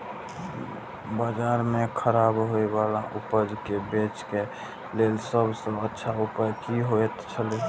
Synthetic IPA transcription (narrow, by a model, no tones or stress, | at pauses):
bad͡ʒaːɾmẽkʰəɾaːbɦoewalaʔʊpəd͡ʒkebet͡ʃke | leːlsəbsəətːʃʰaʊpajkiɦoet̪t͡ʃʰəle